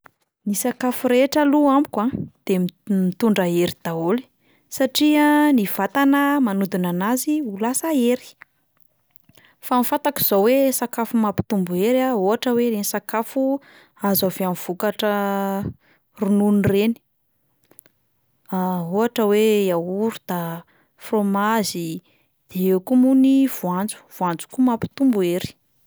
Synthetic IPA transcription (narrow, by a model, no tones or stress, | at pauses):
nisakafuɾeʈ͡ʂəluambu̥kwad̪̥emmit̪uɳɖ͡ʐaeɾid̪̥aoli̥ | saʈ͡ʂianiv̥at̪anəmanud̪unanaziulasaeɾi̥ | famifat̪aki̥z̥owesakafumapi̥t̪umbueɾaoaʈ͡ʂəweɾenisakafu | azaveamiv̥ukaʈ͡ʂə | rununireni̥ | aoɦaʈ͡ʂəweauɾud̪̥a | fromazi | d̪̥eekumuniv̥uand͡zu̥v̥uand͡zu̥kumapi̥t̪umbueɾi̥